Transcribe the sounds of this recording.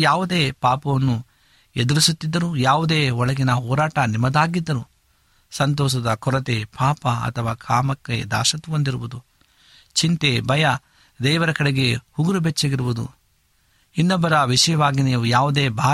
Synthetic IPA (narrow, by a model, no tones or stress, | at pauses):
jaːʋud̪eːpaːpɐʋɐnːu | ed̪uɾisut̪ːid̪ːɐɾujaːʋud̪eːɔɭɐɡinɐɦɔːɾaːʈɐnimɐd̪aːɡid̪ːɐɾu | sɐnt̪ɔːʃ̬ɐd̪ɐkɔɾɐt̪epaːpɐɐ̰t̪ʰɐʋaːkʰaːmɐkːḛd̪a̰ːʃɐt̪ːuʋond̪iɾuʋud̪u | t͡ʃint̪ebɐjɐ | d̪ɛːʋɐɾɐkɐɽeɡe̞huɡuɾubʱet͡ʃːɐɡiɾuʋud̪ṵ | inːɐbɐɾɐʋiʂɐjɐʋaːɡiniːʋujaːʋud̪e̞ːbʱaː